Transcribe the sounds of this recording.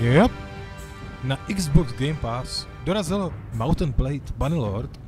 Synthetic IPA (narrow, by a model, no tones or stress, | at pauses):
ɛp̚ | naʔɪɡzbɔkzɡɛjmpas | doɾazɪlomawt̪n̩plɛjt̪banɪloɾt̪